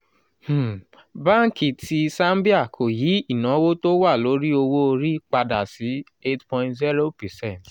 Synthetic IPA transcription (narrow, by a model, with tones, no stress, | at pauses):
h̩˨ | bã˦ŋ̩˦˨ki˨ti˧sã˦mbi˦a˦˨kʰo˨ji˨˦i˦˨nã˨˦wo˦to˦wa˦˨lo˨˦ɾi˦o˧wo˦o˧ɾi˦k͡pa˧da˨si˨˦ | e˦tpɔ̃˧ĩntzi˦ɾo˦pɛ˨sɛ̃˦˨t